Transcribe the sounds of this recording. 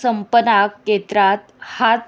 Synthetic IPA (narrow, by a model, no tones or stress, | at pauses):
səmpənakːet̪ɾat̪hat̪